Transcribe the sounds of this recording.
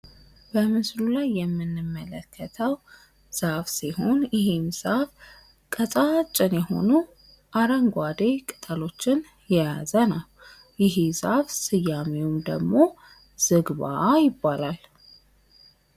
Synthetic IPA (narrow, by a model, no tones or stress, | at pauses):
b̥əmɨslulajːɛmːɨnːɨmːələkʰːət̪ʰəw | z̥afsiho̞njɪhemz̥af | kʼətʼat͡ʃʼːɪnjɛho̞̰nu | ʔaɾəŋɡʷad̪ekʼɨt̪ʼəlo̞t͡ʃːɪn | jɛjazənəw | jɪɦizafsɨjːamewumd̪əɡmo̞ | z̥ɨɡβa̰jɪbːalal